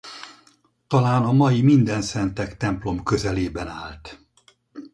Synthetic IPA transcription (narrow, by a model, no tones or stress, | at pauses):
t̪ɒlaːnɒmɒjimind̪ɛnsɛnt̪ɛkt̪ɛmplo̞mkøzɛleːbɛnaːlt̪